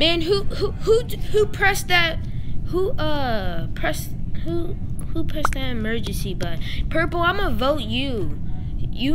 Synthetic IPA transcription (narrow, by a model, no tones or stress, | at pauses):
mæ̃nɦuhuhuhupʰɹ̥ɛsðɨt̚huʔʌpʰɹ̥ɛshu | hupʰɹ̥ɛsðɨɾɨmɜ˞d͡ʒɨ̃nsibaɪpʰɜ˞pl̩ˠãɪ̃məvoʊt͡ʃʉ | jɨ